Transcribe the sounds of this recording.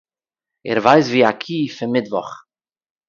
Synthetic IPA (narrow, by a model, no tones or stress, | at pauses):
ɛ̰ɾvajsviːakʰiːfɪmɪdvɔ̰χ